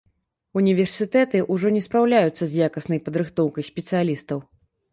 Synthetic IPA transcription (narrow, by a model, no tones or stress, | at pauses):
unʲivʲɛrsʲɨt̪ɛt̪ɨʔuʐɔnʲɛspɾawlʲajut̪sːɐzʲjakɐsnɐjpɐd̪ɾɨxt̪ɔwkɐjsʲpʲɛt̪sɨjalʲist̪ɐw